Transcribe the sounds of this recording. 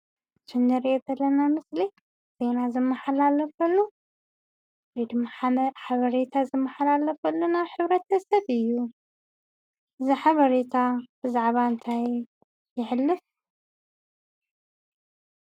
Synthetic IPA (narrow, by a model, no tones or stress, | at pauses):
t͡ʃʰɨnːɨɾet̪ɐlːɐnamɨsli | z̥e̞nazɨmːɐħalalɐfɐlːu | led̪ɨmːaħaβɐɾet̪ʰazɨmːɐħalalɐfɐlːunaβħɨβɾɐt̪ʰɐsɐβɨjːu | ʔɨziħaβɐɾet̪ʰab̥ɨzaʕβaɨnt̪ʰaj | jɪħɨlːɨf